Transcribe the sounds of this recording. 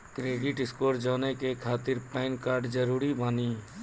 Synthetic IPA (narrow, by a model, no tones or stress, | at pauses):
kɾeːɖɪʈɪskoːɾd͡ʒaːnekekʰaːt̪ɪɾpaɪnkaːɾɖd͡ʒəɾuːɾibaːniː